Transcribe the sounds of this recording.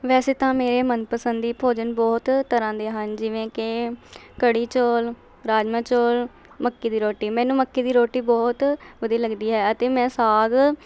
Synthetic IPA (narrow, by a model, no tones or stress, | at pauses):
ʋɛːseːt̪ãːmeːɾeːmənpəsənd̪iːpʰoːd͡ʒənbɔːt̪t̪əɾãːd̪eːɦənd͡ʒɪʋẽːkɪ | kəɽiːt͡ʃoːl | ɾaːd͡ʒmãːt͡ʃoːl | məkːiːd̪iːɾoːʈiːmɛ̃ːnũːməkːiːd̪iːɾoːʈiːbɔːt̪ʋəd̪iiːləɡd̪iːɦɛːət̪eːmɛ̃ːsaːɡ